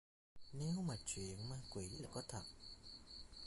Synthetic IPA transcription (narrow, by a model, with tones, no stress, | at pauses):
ne˨˦wmaː˨˩t͡ɕwḭ˨˩˨ənmaː˧kwḭ˨˩˦l̚laː˨˩kɔ˨˦t̪ʰə˨˩p̚